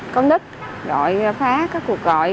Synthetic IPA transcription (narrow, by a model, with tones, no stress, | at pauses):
kə˧wŋ͡mɗɨ˦˥k̚zɔ̰˧˨jfaː˨˦kaː˦˥kːu˨˩ək̚ɣɔ̰˧˨j